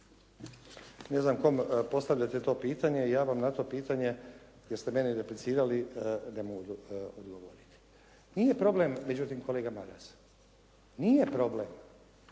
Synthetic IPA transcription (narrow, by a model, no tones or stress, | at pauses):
ne̞znamko̞mpo̞st̪aʋʎat̪et̪o̞ːpiːt̪aɲe̞ijaːʋamnat̪o̞ːpiːt̪aɲe̞ | jeɾst̪eme̞niɾeplit̪siːɾaline̞moɡuod̪ɡoʋoɾit̪i̥ | nije̞pɾo̞ble̞mːe̞d͡ʑut̪imko̞le̞ːɡamaɾas | nije̞pɾo̞ble̞m